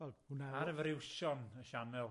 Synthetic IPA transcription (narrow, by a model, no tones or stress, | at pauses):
vɛlˠunaaɾəvrɪwʃɔnəʃanɛlˠ